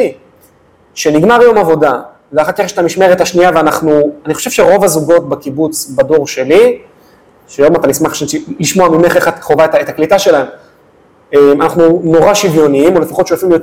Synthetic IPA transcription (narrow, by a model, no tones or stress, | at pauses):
i | ʃe̞niɡmaʁjo̞mavo̞da | veaχakeχʃat̪amiʃme̞ʁetaʃniaveanaχnuaniχoʃev̥ʃeʁo̞vazuɡo̞t̚bakibut͡sbado̞ʁʃe̞li | ʃejo̞matanismaχʃeiliʃmoamimeχeχat̪kχovaetaet̪aklitaʃe̞laem | emanaχnuno̞ʁaʃivjo̞niimo̞le̞faχotːʃojafimjot